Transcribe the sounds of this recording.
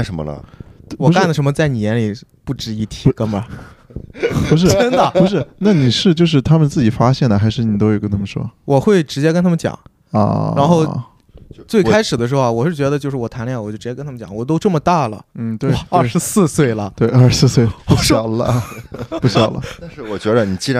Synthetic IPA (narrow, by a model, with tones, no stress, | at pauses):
ʂə˧˥nmə̰˧lə̰˨˩wwɔ˨˧˥ka˥˩nlə˩ʂə˧˥nmə˧t͡sa˥˩ɪni˨˩jɛ˧˥nli˨˩pu˥˩ʈ͡ʂɻ̩˧˥i˥˩t̪ʰi˧˥kə˥ŋbə˧˩ | u˧˥ʂ̬ɻ̩˥˧ə˥ŋd̪ə˨˩pu˧˥ʂ̬ɻ̩˥˩na˥˩ni˨˩ʂɻ̩˥˧t͡ɕjo˥˧ʊʂ̬ɻ̩˥˩t̪ʰa˥mə˨nt͡sɹ̩˥˩t͡ɕi˨˩fa˥ɕjɛ˥˩nd̪ə˩xa˧˥ɪʂɻ̩˥˩ni˨˩t̪o˥ʊwkə˥t̪ʰa˥mə˨˩ʂwɔ̰˥wʔɔ˨˩xwe˥˩ɪʈ͡ʂɻ̩˧˥t͡ɕjɛ˥knt̪ʰa˥mə˧nt͡ɕjɑ̰˨˩˦ŋ | ɐ̰˥˧a˧˥nxo˥˧ʊ | t͡swe˥˩ɪkʰa˥ɪʂɻ̩˨˩d̪ə˦ʂɻ̩˧˥xo˧a˨˩wɔ˨˩ʂɻ̩˥˩t͡ɕɥɛ˧˥d̪ə˧t͡ɕjo˥˧ʊʂɻ̩˥˩wɔ˨˩t̪ʰa˧˥nljwt͡ɕjʈ͡ʂɻt͡ɕjɛ˥nt̪ʰm˧t͡ɕjɑ̰˨˩ŋwɔ˨˩t̪o˥ʊʈ͡ʂmə˩t̪a˥˩lə̰˩n̩˥˩t̪we˥˩˧t̪ɐ˥˧˥ʂɻ̩˧˥sɹ̩˥˧swe˥˩ɪlə˩t̪we˥˩ɪɐ˥˩ʂɻ̩˧˥s̩˥˧swe˥˩ɪpu˥˩ɕɑ˨˩ʊlə˦˧˩pu˥˩ɕjɑ˨˩ʊlə̰˦a˥˧nʂ̩˥˩wɔ˨˩t͡ɕɥɛ˧˥d̪ə˧ni˨˩t͡ɕi˥a˧˥